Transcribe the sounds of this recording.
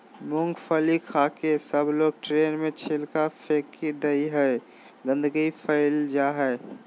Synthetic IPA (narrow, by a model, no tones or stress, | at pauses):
mʊ̃ŋɡpʰəlikʰaːkesəbloːɡ̚ʈɾeːnmẽt͡ʃʰelkapʰekid̪əiɦɛe | ɡə̃nd̪əɡipʰəɪld͡ʒaɦɛɪ